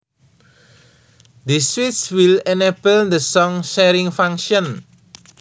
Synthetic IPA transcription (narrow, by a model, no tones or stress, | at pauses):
d̪əswitswilɛnɛpəld̪əsɔ̃ŋʃɛɾĩŋfãŋʃɔ̃n